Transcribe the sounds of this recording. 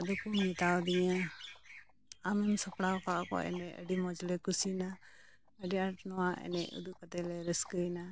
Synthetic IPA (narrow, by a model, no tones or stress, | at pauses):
ɔd̪ɔkummit̪awd̪iɲa | amɛmsɔpɽawkaʔkɔ̰ɛ̰nɛʔə̰ɖimɔd͡ʒlɛkusina | əɖiaʈnɔwaʔɛ̰nɛ̰ʔṵd̪uʔkat̪ɛlɛɾɛskəjna